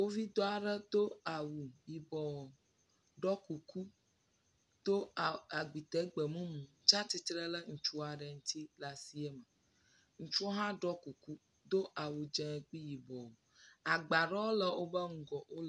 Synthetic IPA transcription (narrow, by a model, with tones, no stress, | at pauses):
wo˦vi˦d̪ɔ˦a˨ɖə˦d̪o˦a˨wu˨ji˨bɔ˨w | ɖɔ˦ku˨ku˦ | d̪̥o˦˨a˨ɡ͡bi˨t̪ɛ˨ɡ͡bə˨mũ˦mũ˨˦t͡ʃã˦t̪i˦t̪ɾə˦lə˦ŋ̩˨t͡ʃu˦a˨ɖə˨ŋ̩˦t̪i˦la˨si˦ɛ˦mə˨ | ŋ̩̃˦t͡ʃu˦o˦ɦã˦ɖɔ˦ku˨ku˦ | d̪o˦ʔa˨wu˨d͡ʒɛ̃˨k͡pi˦ji˨bɔ˨wo˨ | a˨ɡ͡ba˨ɖɔ˦wo˦lə˨wo˦bə˦ŋ̩˦ɡɔ˨wo˦l